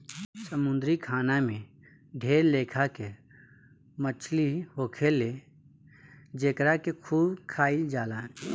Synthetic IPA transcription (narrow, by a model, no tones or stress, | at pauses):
səmʊ̃nd̪ɾikʰaːnamẽ | ɖʱeːɾleːkʰake | mət͡ʃʰliɦoːkʰele | d͡ʒeːkɾakekʰuːbkʰaːild͡ʒaːlaːn